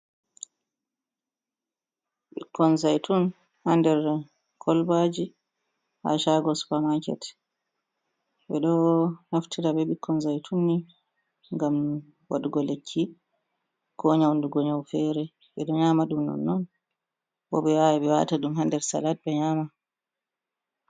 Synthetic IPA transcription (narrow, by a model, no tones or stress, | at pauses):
ɓikʰːɔnzajtun | handɛɾ | kʰɔlbad͡ʒi | ha̰ʃaɡɔspamakɛ̰t | ɓɛɗɔnaftʰiɾabɛɓikʰːɔnzajtʰunːi | ŋɡam | waɗuɡɔlekʰːi | kʰɔɲawnduɡɔɲawfɛɾɛ | ɓɛɗɔɲaːmaɗumnɔ̰nːɔn | bɔɓɛwawɛɓɛwa̰taɗumhandɛɾsa̰lat̚bɛɲaːma